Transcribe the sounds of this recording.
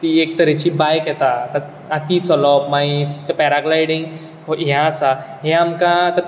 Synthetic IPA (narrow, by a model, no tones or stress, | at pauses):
t̪iek̚t̪əɾet͡ɕibajkjɛt̪at̪əɾ | at̪it͡sɔlɔpmait̪epɛɾaɡlajɽiŋɡ | oɦjãasaɦẽamkãt̪əɾ